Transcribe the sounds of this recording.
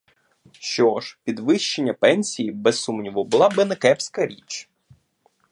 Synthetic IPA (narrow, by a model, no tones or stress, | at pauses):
ʃt͡ʃɔʃpʲid̪ʋɪʃt͡ʃːe̞nʲːɐpɛnʲsʲijibɛsːumnʲiʋɔbʊlˠɑbɪnɛkɛpsʲkɐɾʲit͡ʃ